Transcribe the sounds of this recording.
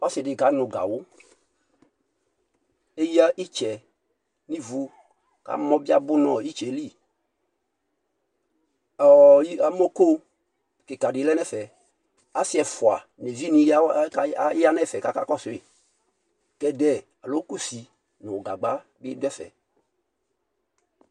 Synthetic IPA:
ɔ˦sɪ˨dɪ˨ɡa˨˦nʊ˨ɡa̰˨wʊ˦ | e˦ji˦a˦ʔi˦t͡ʃɛ˨ | ni˦vu˨˦ | ka̰˨˦mɔ˦bi˦a˦bʊ˦nɔ˨i˦t͡ʃɛ˨˦li˦˨ | ɔ˨i˦a˨mɔ˦ko˦ | kɪ˨ka˨dɪ˨˦lɛ˦nɛ˦˨fɛ˨ | a˨˦sɪ˦ɛ˨fʊ˨a˨ | ne˨vi˦ni˨˦ | a˦nɛ˦˨fɛ˨ka˦ka˦kɔ˦˨sʊ˨ɪ˦˨ | kɛ˦dɛ˦˨ | a˨lo˨˦ku˦si˨ | nʊ̃˨ɡa˨ɡ͡ba˦ | bɪ˦dɛ˦fɛ̰˨

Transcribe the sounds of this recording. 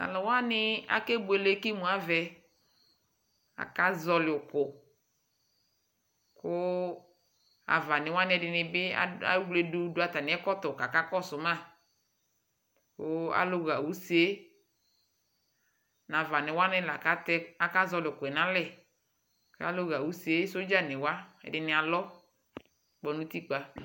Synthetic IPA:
a̰˨lɔ˨wa˦nɪ˦a̰˨ke˦bu˨e˨le˦ki˦mũ˨˦a˦vɛ˨ | a̰˨ka˦zɔ˨lɪ˨ʊ˨kʊ˨ | kʊ˦ | a̰˨va˨nɪ˨wa˦n˦ɛ˧˦dɪ˨nɪ˧bɪ˦a̰˦a̰˦wle˦du˦dʊ˦a˨ta˨nɪ˨ɛ˦kɔ˦tɔ˨ka˨ka˦kɔ˦sʊ˨mã˦ | kʊ˦a̰˦lo˦ɣa˨wu˨˦se˦ | nã˨va˨nɪ˨wa˦nɛ˦la˨ka˦tɛ˦a˨ka˦zɔ˧lɪ˨o˨kʊ˨ɛ˨nã˦lɛ˦˨ | ka̰˦lo˦ɣa˨wu˨˦se˦so˦d͡ʒa˦nɪ˨wa˦ɛ̰˨dɪ˨nɪ˨a˨lɔ˦ | k͡pɔ˨nũ˦t̪i˦k͡pa˦

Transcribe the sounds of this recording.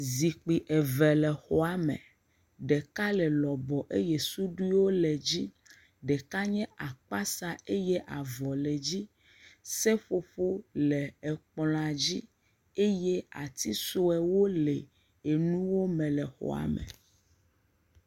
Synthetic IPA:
zi˨k͡pi˨ʔɛ˨vɛ˨lɛ˨xɔ˨a˦mɛ̰̃˨ | ɖɛ˨ka˦lɛ˨lɔ˨bɔ˨ʔe˦je˦su˦ɖu˦i˦wo˦lɛ˨d͡ʑi˦ | ɖɛ˨ka˦ɲɛ̃˦ʔa˨k͡pa˦sa˦e˦jɛ˦ʔa˨vɔ˨lɛ˨d͡ʑi˦ | sɛ˦ɸo˨˦ɸo˦lɛ˨ɛ˨k͡pl̃a˨d͡ʑi˦ | e˦je˦a̰˨t̪i˦so˦ɛ˨wo˦lɛ˨ | e˨nũ˦wo˦mɛ̃˨lɛ˨xɔ̰˨a̰˨mɛ̰˨

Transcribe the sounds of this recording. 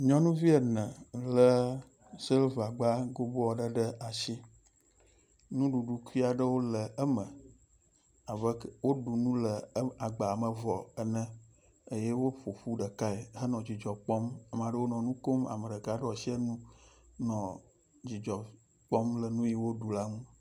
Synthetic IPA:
ɲɔ̃˦nũ˦vi˦ə˨nə̃˨lə˦ | si˦lva˨ɡ͡ba˦ɡo˦bo˦ɔ˦˨ɖə˦ɖə˦a˨si˦ | nũ˦ɖu˨ɖu˨ku˦i˦a˨ɖə˦wo˦lə˨ə˦mə̃˨ | a˨və˦wo˦ɖu˨nũ˦lə˨˦a˨ɡ͡ba˨a˨mə˨vɔ˨ə˨nə̃˦ | ə˦je˦wo˦ɸo˨ɸu˦ɖə˨ka˦e˨ɦə˦nɔ̃˨d͡ʑi˨d͡ʒɔ˨k͡pɔ˦ma˨m˨a˨ɖə˦wo˦nɔ̃˨nũ˦ko˦ma̰˨mə˨ɖə˨ɡa˨ɖə˦ɔ˨si˦e˦nũ˦nɔ̃˨ | d͡ʑi˨d͡ʒɔ˨ | k͡pɔ˦mlə˨nũ˦ji˦wo˦ɖu˨la˦ŋũ˦

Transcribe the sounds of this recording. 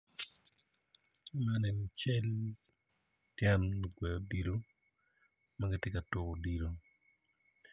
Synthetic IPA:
manɛ˨mt͡ʃɛ˦l | tjɛ˦n˨ɡwɛ˨o˨di˨ɾo˦ | ma˦ɡɛ˦tjɛ˦ka˨tʊ˦o˨di˨ɾo˦

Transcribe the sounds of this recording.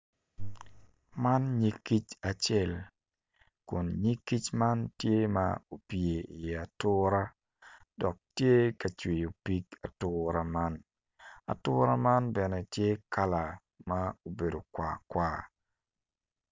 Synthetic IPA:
ma˦nɲi˦ki˦t͡ʃa˨t͡ʃɛ˦˨l | kʊ˨nɲi˦ki˦t͡ʃma˦ntje˦ma̰˦o˨pje˨i˨a˨tʊ˦ɾa˦ | dɔ˨k̚tje˦ka˨t͡ʃwi˨jo˨pi˦ka˨tʊɾa˦ma˦n | a̰˨tʊ˦ɾa˦ma˦nbɛ˨nɛ˨tje˦ka˦la˨ | ma˦o˨be˨do˨kwa̰˨kwaː˦

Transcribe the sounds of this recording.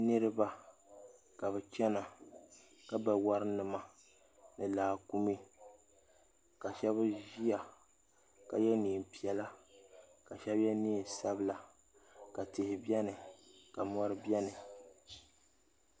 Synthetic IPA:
nɨ˦ɾɨ˦ba˦ | ka˨bɨ˨t͡ʃɛ˦na˨ | ka˦ba˨wa˦ɾɨ˦nɨ˨ma˨ | nɨ˨laː˨ku˦mi˦ | ka˨ʃɛ˦βʒi˦a˨ | ka˨jɛ˦niː˨m˨pi˨ɛ˦la˦ | ka˨ʃɛ˦bjɛ˦niː˦˨sa˦bɨ˦la˨ | ka˨tɪ˨hɪ˨bi˦ɛ˦nɨ˨ka˨mɔ˦ɾɨ˦bjɛ˦nɨ˨

